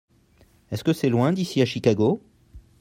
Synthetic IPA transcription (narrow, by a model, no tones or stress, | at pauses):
ɛskəsɛlwɛ̃d̪isiaʃikaɡo